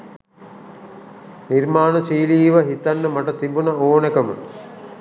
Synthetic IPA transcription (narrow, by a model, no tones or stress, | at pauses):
niɾmaːnət͡ʃiːliːʋɐɦit̪anːəmaʈɐt̪ibunɐoːnekɐmə̰